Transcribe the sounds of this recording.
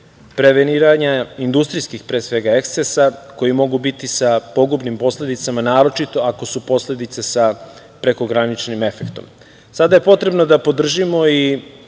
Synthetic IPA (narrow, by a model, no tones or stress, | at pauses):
pɾe̞ʋeniːɾaɲaind̪ust̪ɾijskixpɾeːsʋe̞ɡae̞kssesako̞jimo̞ɡubit̪isapo̞ɡubnimpo̞sle̞d̪it̪samanaːɾo̞t͡ʃit̪o̞ako̞supo̞sle̞d̪it̪sesa | pɾe̞ko̞ɡɾanit͡ʃnime̞fe̞kt̪o̞̰m | sad̪aje̞po̞t̪ɾe̞bno̞d̪apo̞d̪r̩ʒimo̞i